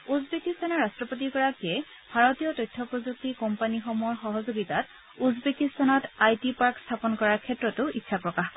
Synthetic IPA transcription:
uzbekist̪ʰanɔɹastɹɔpot̬ikɔɹakɛ | b̥ʱaɹɔtijɔtɔjtʰːɔpɹɔzuk̚tikɔmpanixɔmɔɔɹxɔɦɔzoɡitat̚ | uzbekistʰanɔtajtipaɹkstʰapɔnkɔɹaɹkʰɛtɹɔtʊitːʃʰapɹɔkaxkɔ

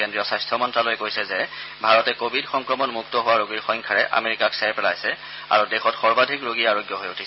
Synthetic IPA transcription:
kendɹijɔsajstʰɔmɔntɹalojkojsɛzɛbʱaɹɔtɛkobʱidxɔŋkɹɔmɔnmuk̚tɔɦʊwaɹoɡiɹxɔjŋkʰaɹɛʔa̰meɹikaksɛɹpɛlajsɛ | a̰ɹudɛxɔtxɔɹbadʱikɹoɡiɹaɹoɡjɔɦojutʰisɛ

